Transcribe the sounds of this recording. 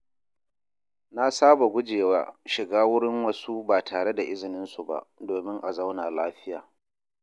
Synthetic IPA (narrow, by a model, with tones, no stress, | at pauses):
na˦saː˦ba˨ɡʷʊ˦d͡ʒeː˨waː˦ʃɪ˨ɡaː˦wʊ˦ɽɪ˦ŋwɐ˦su˦baː˨tʰaː˨ɽe˦da˨ʔɪ˦zɪ˨nɪ˦nsu˨ba̰˨doː˨mɪ˦ŋʔa˨za˦wnaː˨laː˦ɸɪ˦ja̰ː˨